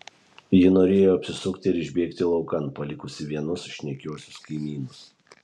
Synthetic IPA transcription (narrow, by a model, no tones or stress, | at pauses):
jɪnoːɾʲeːjoːɐpʲsʲɪsʊkt̪ʲɪːɾɪʒʲbʲeːkt̪ʲɪlˠɒʊkɐnpɐlʲɪkʊsʲɪʋʲiɛnʊsʃʲnʲɛkʲoɔsʲʊskɐɪmʲiːnʊs